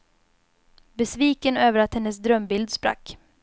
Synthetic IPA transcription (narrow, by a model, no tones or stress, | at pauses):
bɛsviːkənøːvəɾat̪hɛnːəsd̪ɾœmbɪld̪spɾa̰kː